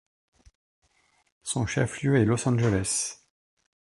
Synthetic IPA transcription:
sɔ̃ʃɛfljøɛlɔsɑ̃ʒəlɛs

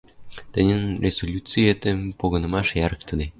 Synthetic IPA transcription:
t̪ə̆nʲə̆nrʲʔezolʲut͡sɨjet̪empoɣɤ̆nɤ̆mɑʃjɑɾɤ̆k̚t̪ʰə̆d̪e

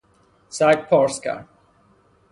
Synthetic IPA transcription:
sak̚pʰɔɹska̰

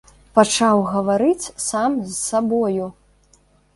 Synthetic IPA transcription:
pat͡ʂawɣɐvaɾɨt͡sʲsamzsabɔju

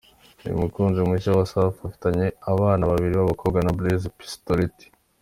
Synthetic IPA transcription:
jṵmukuːnzimiʃawasafafi̥taɲe̞aβaːnaβaβiɾiβaβakʰo̞ːbɡanablizpi̥stoɾiti̥

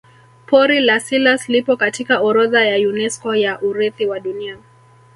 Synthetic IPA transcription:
pɔɾilasilaslipɔkatikaɔɾɔðajajunɛskɔjaʔuɾɛθiwaɗunia

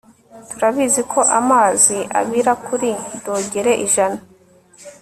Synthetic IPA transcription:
tuɾaβizikʰo̞ʔamaːziʔa̰βiɾakuɾidoːɟeɾe̞ʔiʒana

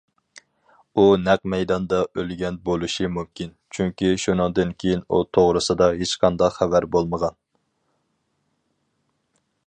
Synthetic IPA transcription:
unɛq̚mɛjd̪ɑnd̪ɑʔølɡʲɛnbolˠuʃimumkʲint͡ʃʰyŋkʲiʃunɨŋd̪ɨnkʲʰejinṵt̪ʰoʁɾɨsɨd̪ɑɦet͡ʃqʰɑnd̪ɑqχævæɾbolˠməʁɑn

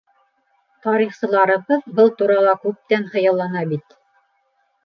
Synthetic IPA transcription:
t̪ɑɾiχsɤ̆lˠɑɾɤ̆βɤðbɤlˠt̪uɾɑlˠɑkʉp̚t̪ænχɤ̆jɑ̆lˠːɑnɑbit̪

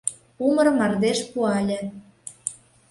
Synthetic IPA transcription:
umərmɑrd̪eʃpuɑlʲĕ

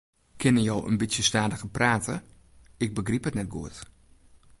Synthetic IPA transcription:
kʰɪnəjowʔə̰nbitsjəstaːdəɣəpraːtə | ɪk̚bəɡriphətnɛt̚ɡuət

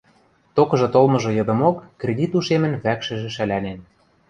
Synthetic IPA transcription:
t̪okɤ̆ʒɤ̆t̪olmɤ̆ʒɤ̆jɤ̆d̪ɤ̆mokːrʲed̪ʲit̪uʃemə̆nβækʃɘ̆ʒĕʃælænen

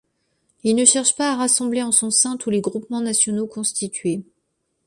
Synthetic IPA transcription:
ilnəʃɛʁʃpaːʁasɑ̃bleɑ̃sɔ̃sɛ̃t̪uleɡʁupmɑ̃nasjɔnokɔ̃st̪it̪ɥe

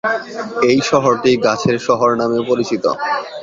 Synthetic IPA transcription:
ejʃɔɦoɾʈiɡat͡ɕʰeɾʃɔɦoɾnamepoɾit͡ɕit̪o̰

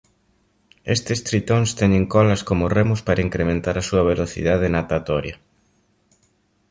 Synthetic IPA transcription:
est̪ɪst̪ɾit̪oŋst̪ɛɲeŋkɔlɐskomʊremʊspaɾaiŋkɾemẽnt̪aɾɐsuɐβ̞eloθḭðað̞ɪnat̪at̪ɔɾjɐ

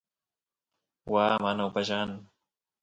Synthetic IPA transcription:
waːmanaupaʒaːn

